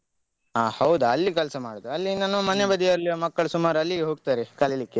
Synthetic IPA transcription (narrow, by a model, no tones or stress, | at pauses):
aːhɐwd̪uɐlːikɛlsɐmaːɽod̪uɐlːinanːumɐnebɐd̪iɐɐɾlimɐkːɐɭusumaːɾuɐlːiɦo̞ːɡ̚t̪aːɾekɐlelikːe